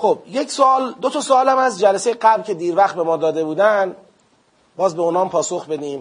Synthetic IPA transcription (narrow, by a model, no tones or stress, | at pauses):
xob̥je̞csoɒːld̪ot̪ʰɒːsoɒːlæmæzd͡ʒælæsejeɡæblcʰe̞d̪iːɾvæχt̪̚be̞mɒːd̪ɒːd̪e̞buːd̪æn | bɒːzbe̞unɒːmpʰɒːsoxbe̞d̪iːm